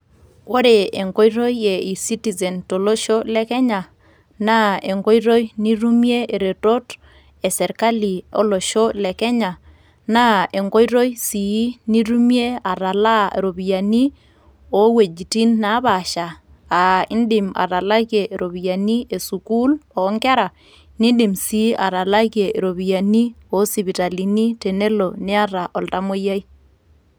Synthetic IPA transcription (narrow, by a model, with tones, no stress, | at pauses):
wo˦ɾe˨e˨ŋɡo˦jɾo˦jje˨i˨si˦ti˨ze˨nto˨lo˦ʃo˦lɛ˦kɛ˦ɲa˨ | na˦e˨ŋɡo˦jɾo˦jni˦ɾu˦m˦e˦e˨ɾe˨to˦t | e˨sɛ˨ɾka˦li˨o̰˦lo˨ʃo˦lɛ˨kɛ˦ɲa˨ | na˦e˨ŋɡo˦jɾo˦jsi˨ji˦ni˦ɾu˦mje˦a˨ɾa˨la˦ḛ˨ɾo˨bi˨ja˨ni˦ | o˨˦we˨d͡ʒi˨ti˦nːa˦βa˨ʃaː˨ | i˦ndɪ˨ma̰˨ɾa˨la˦ke˨ʔe˨ɾʔo˨βi˨ja˨ni˦e˨su˨ku˦lɔ˨˦ŋɡɛ˦ɾa˨ | ni˦ɗi˨msi˨˦ʔa˨ɾa˨la˦ke˨ɾo˨βi˨ja˨ni˦ | ɔ˨˦si˨βi˨ta˨li˨ni˦te˨ne˦lo˨nɪ˦a˦ɾa˨ʔɔ˨lta˦mo˦ja˦i˦